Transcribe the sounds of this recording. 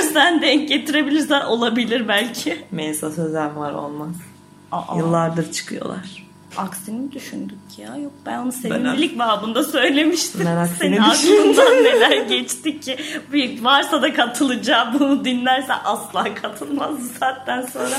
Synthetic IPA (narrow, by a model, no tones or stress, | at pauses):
sænd̪ɛɲc̚ɟe̞t̪ʰiɾe̞bilʲiɾsænʔo̞lˠabilʲiɾbælʲcʰɪmesasøzænvaɾo̞̰lˠmaz̥ | a̰ʔjɯlˠːaɾd̪ɯɾt͡ʃʰɯ̥kʰɯjo̞̰lˠa̰ɾ̥ | aksind̪yʃynd̪ymcʰijajok̚b̥ænonuseilʲicbaɦabund̪asø̞jlʲe̞miʃt̪ʰiɛnakseninaklˠɯnd̪anːe̞lʲæɾɟɛt͡ʃt̪iɪbivaɾsad̪akʰat̪ʰɯlˠɯd͡ʒaːbunud̪inlʲæɾsɛ̰ʔaslˠaːkʰat̪ʰɯlˠmazd̪ɯzaːt̪ːænso̞nɾa